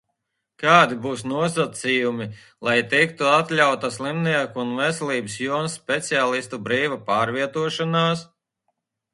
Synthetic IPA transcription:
kaːd̪ibuːsnuɔsat̪sijumi | lˠajt̪ik̚t̪uat̪lʲawt̪aslˠimniɛkːnvɛsɛlˠiːbsjuɔnsːpʲɛt̪siaːlˠist̪ubɾiːvapaːɾviɛt̪uɔʃɔnaːs

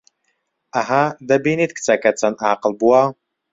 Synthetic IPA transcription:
aɦad̪ɐbinit̪kʰʼt͡sʰʼakʰʼɐt͡sʰɐnaːqəlbuwaw

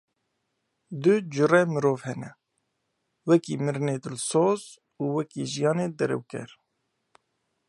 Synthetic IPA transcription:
d̪ɨd͡ʒʊrɛmɨɾoːvhɛnɛ | wɛkiːmɨɾneːd̪ɨlsoːz | uːwɛkiːʒijɑːneːd̪ɛɾɛ̰wkɛ̰ɾ

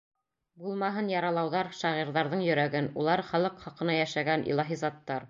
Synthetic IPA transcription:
bulˠmɑɦɤnjɑɾɑlˠɑwðɑɾʃɑʁiɾðɑɾðɤɴjɵ̆ɾæɡɘnulˠɑɾχælˠɤqχɑqɤ̆nɑjæʃæɡænʔḭlˠɑɦizɑt̪ːɑɾ

